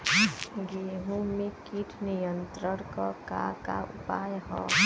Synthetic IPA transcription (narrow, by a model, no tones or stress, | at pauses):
ɡeːɦũmẽkiːʈʰnijənt̪ɾəɽ̃kɔka̰ka̰upaːjɦɔː